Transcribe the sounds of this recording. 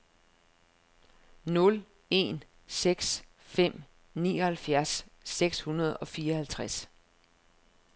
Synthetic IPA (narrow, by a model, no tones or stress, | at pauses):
nɔ̽l | e̝̰n | seɡ̥s | fem̰ | nḭːɒ̽hælfjæɐsːeɡ̥shunɐð̞ˠɒ̽fiːɐɒ̽hælt͡sʰʁas